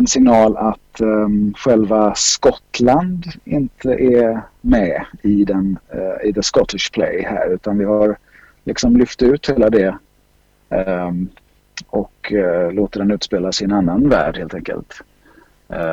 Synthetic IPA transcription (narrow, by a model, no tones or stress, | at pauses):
ɛnsɪŋnɑːlat̪ɧɛlvaskɔt̪land̪ɪnt̪ʰəʔɛmɛɪd̪ɛnɪ̰d̪ɛskɔt̪ɪʂpʰlɛ̰jhæ̰ːɾʉ̟ːt̪anvɪɦaɾ | lɪksɔmlʏft̪ʉ̟ːt̪heːlad̪ɛ | ɔkloːt̪əd̪ɛnʉ̟ːt̪speːlasɪɛnanːanvæ̰ːɖheːlt̪ɛŋkə̰lt̪